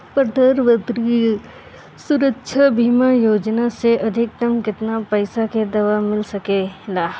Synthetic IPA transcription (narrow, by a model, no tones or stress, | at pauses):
pɾəd̪ʱəɾʋət̪ɾi | sʊɾəkʃʰəbʱiːmajoːd͡ʒnaseʔɐd̪ʱɪk̚t̪ɐmkɪt̪napɐɪsaked̪ɐʋamɪlsɐkelaː